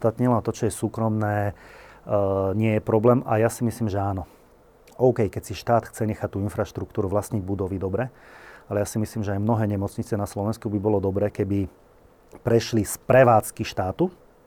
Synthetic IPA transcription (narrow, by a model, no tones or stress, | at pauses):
t̪at̪ɲilat̪ɔt͡ʃɔjɛsuːkɾɔmnɛː | ɲɪɛjɛpɾɔblɛːmʔa̰jasimisliːmʒɛaːnɔ | ɔʊkɛjkɛcsiʃt̪aːt̪xt͡sɛɲɛxac̚t̪uːinfɾaʃt̪ɾuk̚t̪uːɾuʋlasɲiɟbud̪ɔʋid̪ɔbɾɛalɛjasimisliːmʒɛajmnɔɦɛːɲɛmɔt͡sɲit͡sɪɛnaslɔʋɛnskubibɔlɔd̪ɔbɾɛːkɛbi | pɾɛʃlispɾɛʋaːt͡skiʃt̪aːt̪u